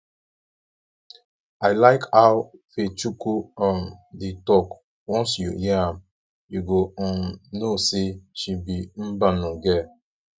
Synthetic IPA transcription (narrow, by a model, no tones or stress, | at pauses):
aɪlaɪkawfet͡ʃukuɔ̃nditɔk | wɔ̃nsjṵjɛãm | juɡoɔ̃noseʃibin̩banɔ̃ɡɛ